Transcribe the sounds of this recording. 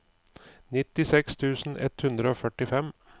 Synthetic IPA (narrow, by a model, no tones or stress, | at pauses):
nɪt̪ɪsɛkst̪ʰʉːsn̩ʔɛ̰t̪hʉnd̪ɾəoːfœʈɪfɛm